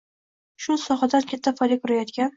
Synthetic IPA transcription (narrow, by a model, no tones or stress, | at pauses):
ʃʊsɒχad̪ankʲʰat̪ʰːafɒjd̪ʲakʰʲʊɾajɒt̪kʲan